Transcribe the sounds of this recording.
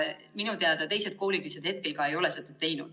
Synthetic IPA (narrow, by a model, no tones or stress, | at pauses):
minut̪eɑd̪ɑt̪e̞jse̞d̪̥̚koːlilise̞d̪he̞t̪̚kelkɑe̞jo̞le̞set̪ːet̪ːe̞jnud̪̥